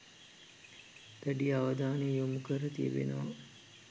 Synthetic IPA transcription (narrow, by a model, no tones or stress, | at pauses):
ʔæɖiaʋəd̪aːnejjomukəɾət̪ḭə̰ʋḛnɐʋɐ